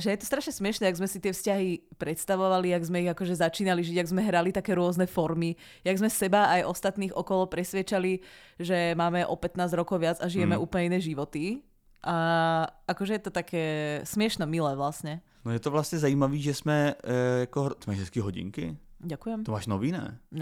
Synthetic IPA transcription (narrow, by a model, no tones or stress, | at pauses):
ʒɛjɛt̪ɔ̥st̪ɾaʃɲɛsmɪɛʃnɛaɡzmɛsit̪ɪɛfscaɦipɾɛt̪st̪aʋɔʋaliaɡzmɛiɣakɔʒɛzat͡ʃiːnaliʒiɟaɡzmɛɦɾalit̪akɛːɾʊɔznɛfɔɾmi | jaɡzmɛsɛbaːjʔɔst̪at̪niːɣʔɔkɔlɔpɾɛsʋɪɛt͡ʃali | ʒɛmaːmɛʔɔpɛt̪naːzɾɔkɔʊʋɪad͡zaʒijɛmɛʔuːplɲɛinɛːʒiʋɔt̪i | ʔaʔakɔʒɛjɛt̪ɔt̪akʰɛːsmɪɛʃnɛmilɛːʋlasɲɛ | nojɛt̪ɔvlast̪ɲɛzajiːmaʋiːʒɛsmɛjakɔɦmɛɛskiɦɔɟḭŋkɪ̰ɟakujɛmt̪omaːʃnɔʋinɛ̰